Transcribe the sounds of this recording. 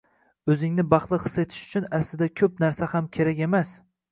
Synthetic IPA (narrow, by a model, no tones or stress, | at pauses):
ɵzɪŋnɪbɑχlˠɨχɨ̥se̞t̪ʰɪ̥ʃʊ̥t͡ʃʰʊnaslɪd̪akʲʰɵp̚naɾsahamkʲʰeɾakʲe̞mas